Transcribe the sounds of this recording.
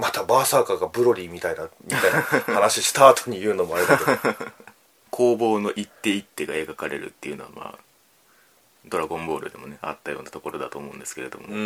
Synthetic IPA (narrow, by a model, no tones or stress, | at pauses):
mat̪abaːsaːkaɡabɯ̟ɾo̞ɾʲiːmʲit̪aid̪amʲit̪ainahanaɕiɕi̥t̪aːt̪oɲ̟ijɯ̟ːno̞moaɾʲed̪a | kʰo̞ːbo̞ːno̞ʔit̪ːe̞it̪ːe̞ɡae̞ɡakaɾe̞̰ɾɯ̟̰t̪ːe̞ijɯ̟no̞ama̰ː | d̪o̞ɾaɡõ̞mbo̞ːɾɯ̟d̪e̞mo̞neat̪ːajo̞̰ːnat̪o̞ko̞ɾo̞d̪at̪o̞ːmo̞ɯ̰̃nd̪esɨ̥ke̞ɾe̞d̪o̞mo